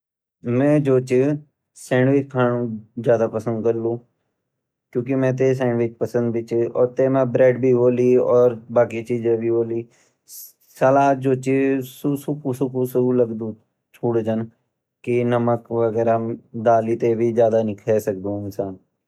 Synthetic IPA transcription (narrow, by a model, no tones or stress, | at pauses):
mɛ̃ːd͡ʒoːt͡ʃɪ | sɛ̃ːɳɖʋɪt͡ʃkʰaːnõzjaːd̪apəsə̃nd̪̚kəɾlũː | kjõːk̬imɛ̃ːt̪̬es̬ɛ̃ːɳɖʋɪt͡ʃpəsə̃nd̪̚bʱit͡ʃɔːɾt̪emẽbɾɛːɖbʱiɦoːliɔːɾbaːkit͡ʃiːd͡ʒẽbʱiɦoːliː | salaːd͡ʒoːt͡ʃisusʊkʰusʊkʰusələɡd̪ũː | t͡ʃʰuːɽd͡ʒən | kinəməkʋəɡɛːɾad̪aːlit̪ebʱid͡ʒjaːd̪anɪkʰɛːsək̚d̪õɪnsaːn